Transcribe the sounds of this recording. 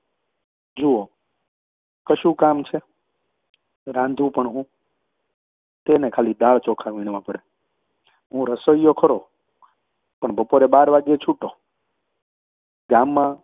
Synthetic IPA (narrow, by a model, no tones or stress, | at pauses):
d͡ʒuo | kəʃũkamt͡ʃʰe | ɾãnd̪ʱũpəɳɦũ | t̪enekʰalid̪aɭt͡ʃɔkʰaʋiɽ̃ʋãpəɽe | ɦũɾəsəjːokʰəɾo | pəɳbəpoɾebaɾʋaɡet͡ʃʰuʈo | ɡamːã